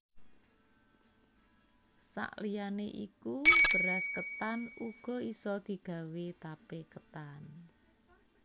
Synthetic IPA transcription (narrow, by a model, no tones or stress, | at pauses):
sa̰ʔlijaneʔḭkub̥əɾɛskət̪anuɡ̥ɔ̤isɔd̪̥i̤ɡ̥ä̤wet̪apekət̪an